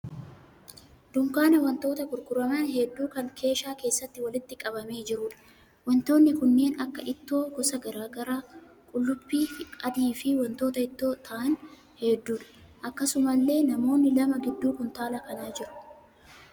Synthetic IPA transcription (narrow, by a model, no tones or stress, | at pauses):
d̪̥ʊŋkaːnɐwɐnt̪o̞ːt̪ɐkʼʊɾkʊɾɐmaːnɦɛd̪ːuːkɐŋkʰe̞ːʃaːke̞ːsːɐt̪ːɪwɐlɪt̪ːɪkʼɐbɐme̞ːd͡ʒɪɾʊᶑɐ̥ | wɐnt̪o̞ːnːɪkʊnːe̞ːnɐkːɐʔɪt̪ːo̞ːɡɔsɐɡɐɾaːɡɐɾaː | kʼʊlːʊbːiːkʼɐd̪iːfɪwɐnt̪o̞ːt̪ɐɪt̪ːo̞ːt̪ʰɐʔɐn | hɛːd̪ːuːᶑɐ̥ʔɐkːɐsʊmɐlːe̞ːnɐmo̞ːnːɪlɐmɐɡɪd̪ːuːkʊnt̪aːlɐkɐnaːd͡ʒɪɾʊ̥